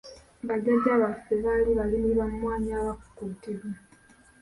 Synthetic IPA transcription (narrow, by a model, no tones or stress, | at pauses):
βaɟaɟːaːβaseβaliβalimuiβamwaːɲaːβaku̥kutiβa